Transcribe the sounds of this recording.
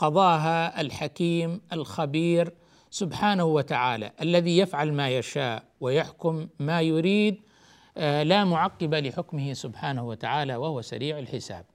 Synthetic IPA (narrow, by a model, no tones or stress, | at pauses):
qɑðˤɑːɦaʔalħakiːmʔalxabiːɾ | sʊbħaːnahuwat̪aʕaːla̰ʔalːaðijafʕalmaːjaʃaːʔ | wɪjaħkʊmːaːjʊɾiːd̪ | laːmʊʕɑqːɪbalɪħʊkmɪhɪsʊbħaːnahuwat̪aʕaːlawahʊwasa̰ɾiːʕalħɪsa̰ːb̚